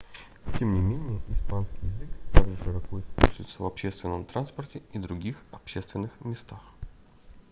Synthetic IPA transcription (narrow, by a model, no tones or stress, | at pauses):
tʲemnʲɪmʲenʲɪjəɪspanskʲijɪzɨkt̪aɡʐɨʂɨɾɐkojspusʲɪ̰t̪səvɐpɕest̪vʲɪnːəmt̪ɾanspərtʲɪid̪ɾʊɡʲixɐpɕest̪vʲɪnːɨxmʲɪst̪ax